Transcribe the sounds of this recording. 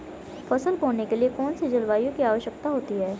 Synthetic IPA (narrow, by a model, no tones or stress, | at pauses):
fʰɐsəlboːɽnekeliekɔːnsed͡ʒɐlʋaːjõkiaːʋəʃjəkt̪aɦoːt̪iɦɛː